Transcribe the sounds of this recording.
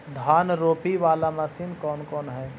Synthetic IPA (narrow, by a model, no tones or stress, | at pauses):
d̪ʱaːnɾoːpiʋaːlaməsiːnkɔːnkɔːnɦɛː